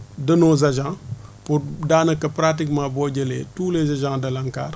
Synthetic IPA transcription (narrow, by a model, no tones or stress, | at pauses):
dɐnozɐʒãŋpudaːnɐkɐpɾat̬ikmaboːɟəlḛtuːlezɐd͡ʒãŋdɐlaŋka̰ːr